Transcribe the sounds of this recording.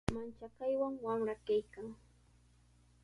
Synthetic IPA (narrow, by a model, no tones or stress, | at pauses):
mant͡ʃakajwaŋwamɾakajkaŋ